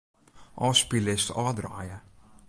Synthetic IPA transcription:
ʔɔːspilɪstɑːdraːjə

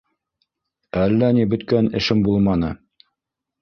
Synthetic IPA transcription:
ælːænibɵ̆t̪kænɘ̆ʃɘmbulˠmɑnɤ

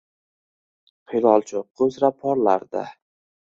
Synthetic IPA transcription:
qʰilˠɒlˠt͡ʃʰʊɵzɾapʰːɒɾlaɾd̪a̰

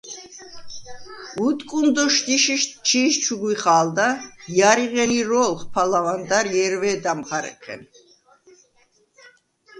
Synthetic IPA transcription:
ut̪ʼkʼund̪ɔʃt̪iʃiʃt͡ʃʰiʃt͡ʃʰuɡwiχaːld̪ajaɾiʁɛniɾɔlˠχpʰalavand̪aɾjɛɾvɛːd̪amχaɾɛ̰qʰɛ̰n

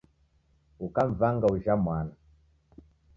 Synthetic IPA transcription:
ukaɱ̩vaŋɡauʒamwana

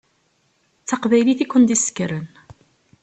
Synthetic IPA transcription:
t͡sːɑqvæjliθikʷːənd̪isə̥kːɾən

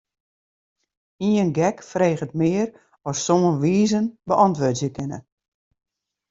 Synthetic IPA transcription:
iənɡɛkfreːɣətmɪːəɾ | ɔsːomənʋiːzənbəʔɑntʋoːtsjəkɪnə̰

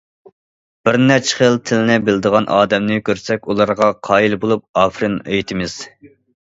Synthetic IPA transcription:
b̥ɪɾnɛt͡ʃʰɪ̥χəlˠt̪ʰɪlɪnɪbɪld̪əʁɑnʔɑːd̪ɛmnɪkʲʰøɾsɛkʲulˠɑɾʁɑqʰɑːjilˠbolˠup̚ɑːfɾɪnøjt̪ʰɪmɪz̥

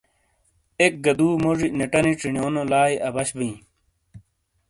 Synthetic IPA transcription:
ek̚ɡɐd̪uːmoʐineʈɐniʈ͡ʂiɳjoːnolaːiʔɐbɐɕbĩ

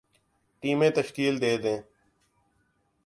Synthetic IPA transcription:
ʈiːmẽːt̪əʃkiːld̪eːd̪ẽː

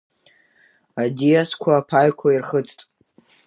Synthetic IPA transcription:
adijaskʷʰaːpʰajkʷʰairχət͡sʰʼtʼ

